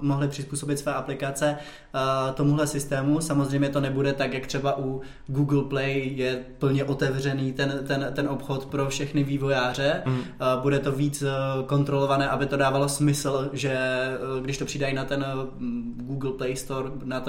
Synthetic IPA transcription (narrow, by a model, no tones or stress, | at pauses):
mo̞ɦlɪpr̝̥ɪspuːso̞bɪt̪svojɛʔaplɪkat͡sɛ | t̪o̞muɦlɛsɪst̪ɛːmusamozr̝ɛjmɲɛt̪o̞nɛbudɛt̪akjak̚t̪r̥ɛbaʔu | ɡuːɡl̩plɛjjɛpl̩ɲɛʔo̞t̪ɛvr̝ɛniːt̪ɛnt̪ɛnt̪ɛnʔo̞pxo̞t̪pɾo̞fʃɛxnɪviːvojaːr̝ɛbudɛt̪o̞viːt͡sko̞nt̪ɾo̞lo̞vanɛːʔabɪt̪o̞daːvalo̞smɪsl̩ʒɛɡdɪʃt̪o̞pr̝̥idajinat̪ɛn | ɡuːɡl̩plɛjst̪o̞ɾ | nat̪